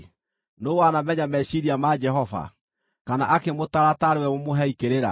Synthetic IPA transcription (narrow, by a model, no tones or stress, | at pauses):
nowanamɛɲamɛʃiɾiamad͡ʒɛɦɔva̰ | kanaʔakemotaɾataɾewɛmomoɦɛikeɾeɾa̰